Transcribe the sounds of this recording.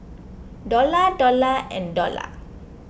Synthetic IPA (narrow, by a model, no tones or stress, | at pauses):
dɔladɔlaʔɛ̰̃ndɔla̰